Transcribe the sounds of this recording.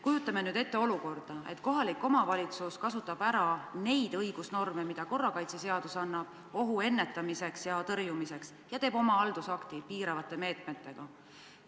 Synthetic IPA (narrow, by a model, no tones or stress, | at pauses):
kujut̪ːˑɑme̞nyːd̪̥e̞t̪ːe̞o̞luko̞rd̪̥ɑe̞t̪ko̞ɦɑlikːˑo̞mɑvɑlʲit̪suskɑsut̪ːˑɑb̥æɾɑne̞jd̪̥ɤjɡ̥usno̞rmemid̪̥ɑko̞rːɑkɑjt̪sese̞ɑd̪̥usɑnːɑb̥ | o̞ɦue̞nːe̞t̪ːˑɑmise̞ksjɑt̪ɤrjumise̞ks | jɑt̪e̞ːbo̞mɑɑld̪̥usɑkt̪ipiːɾɑvɑt̪ːˑe̞me̞ːt̪me̞t̪ːe̞ɡ̥ɑ